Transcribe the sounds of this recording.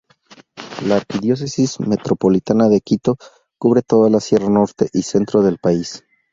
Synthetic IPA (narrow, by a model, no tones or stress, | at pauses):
laːɾkiðjo̞s̬e̞sizme̞t̪ɾo̞po̞lit̪anaðe̞kit̪o̞ | kuβɾe̞t̪o̞ðalasje̞rano̞ɾt̪e̞ʔise̞nt̪ɾo̞ðe̞lpais